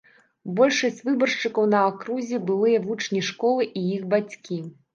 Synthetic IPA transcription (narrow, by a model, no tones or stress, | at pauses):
bɔlʲʂɐsʲt͡sʲvɨbɐrʂt͡ʂɨkɐwnɐakɾuzʲɛbɨlˠɨjɐvut͡ʂnʲiʂkɔlˠɨʔijixbat͡sʲkʲi